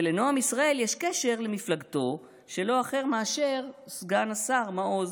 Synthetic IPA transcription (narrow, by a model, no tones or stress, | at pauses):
leno̞amisʁae̞ljeʃkeʃe̞ʁle̞miflaɡto̞ | ʃe̞lo̞aχe̞ʁmaaʃe̞ʁsɡanasaʁmaʔoz